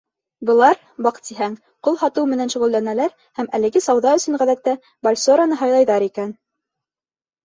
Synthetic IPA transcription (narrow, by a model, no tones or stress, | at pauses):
bɤ̆lˠɑɾ | bɑqt̪ːiɦæŋ | qulˠhɑt̪ɤwmɘ̆nænʃŭʁɵlːænælæɾ | hæmælɘ̆ɡɘsɑwðɑɵ̆sɵ̆ɴʁæðæt̪ːæ | bolʲsoɾanɤɦɑjlˠɑjðɑɾikæn